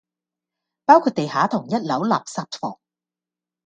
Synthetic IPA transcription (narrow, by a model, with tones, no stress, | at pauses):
paː˥wkʰuː˥˧t̚t̪e˨jɦaː˨˥t̪ʰʊ˨˩ŋjɐ˥t̚lɐ˨˥wla̰ː˨˩p̚saː˧p̚tfɔ̰ː˨˩ŋ